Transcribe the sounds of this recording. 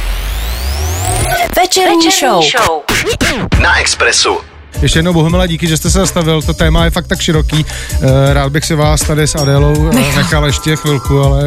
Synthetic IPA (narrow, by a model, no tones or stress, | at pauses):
vɛt͡ʃɛɾɲiʃoww | naʔɛkspɾɛsṵ | jɛʃcɛjɛdnowboɦomɪlaɟiːkɪʒɛst̪ɛsɛzast̪avɪlt̪o̞t̪ɛːmajɛfak̚t̪akʃɪɾo̞kiːɾaːd̪̚bɪxsɪvaːst̪adɪsadɛlownnɛxaljɛʃcɛxvɪlkualɛ